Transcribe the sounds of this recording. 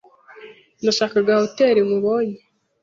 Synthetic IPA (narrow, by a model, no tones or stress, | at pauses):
naʃakaɡahoteːɾemuβoːɲe